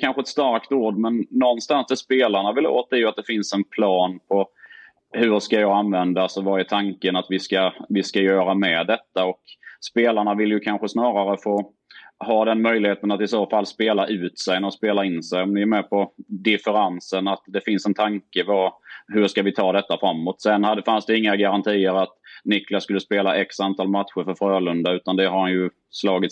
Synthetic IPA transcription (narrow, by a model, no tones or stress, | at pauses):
kʰanɧəɛt̪st̪aɾkt̪oːɖmɛnːɔnːst̪ansd̪ɛspeːlaɳavɪlo̰ːt̪̚ɛɾjɵat̪̚d̪̥ɛfɪnsɛnpʰlɑːnpʰɔ | hɵɾʂkajɑːɡanvɛnd̪aalsɔvɑɛt̪ʰaŋkənat̪vɪskavɪskajœːɾamɛd̪ɛt̪ːaɔkspeːlaɳavɪljɵkʰanɧəsnɑːɾaɾəfoː | hɑːd̪ɛnmœjlɪheːt̪ənat̪ɪsoːfalːspeːlaʔʉ̟ːt̪sɛjnɾɔspeːlaɪnsɛjɔmnɪɛɾmɛpʰɔd̪ɪfəɾansənat̪d̪ɛfɪnsɛnt̪ʰaŋkəvahɵʂkavɪt̪ʰɑːd̪ɛt̪ːafɾamːɔt̪ːsɛnːhad̪əfansd̪ɛɪŋːaɡaɾant̪ʰiːəɾat̪nɪklaskɵlːəspeːlaʔɛksant̪ʰɑːlmat̪ɧəɾfœɾfɾøːlɵnd̪aʉ̟ːt̪and̪ɛɦaɾhanjɵ | slɑːɡɪt̪